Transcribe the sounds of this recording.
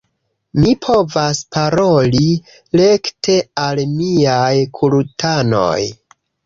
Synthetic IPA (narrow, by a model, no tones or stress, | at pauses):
mipʰo̞vaspaɾo̞li | le̞ktʰe̞almiajkʰulutʰano̞̰j